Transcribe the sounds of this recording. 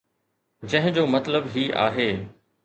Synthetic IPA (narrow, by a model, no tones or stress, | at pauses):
d͡ʑɐ̃ɦɪ̃d͡ʑoːmɐt̪ləbɦiːʔa̰ːɦeː